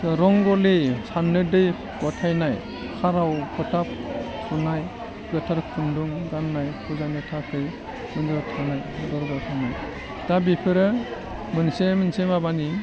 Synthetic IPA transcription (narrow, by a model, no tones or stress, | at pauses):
ɾɔŋɡɔlesanːɯdɯj | ɡ̥ɔtʰajnaj | kʰaɾawkʰɔtʰap̚ | sʰunaj | ɡɯtʰaɾkʰunduŋɡanːajkʰuzanɯtʰakʰɯj | mɯndɯtʰanajdɔɾɡawtʰanaj | d̥abipʰɯɾɯ | mɯnsemɯnsemabani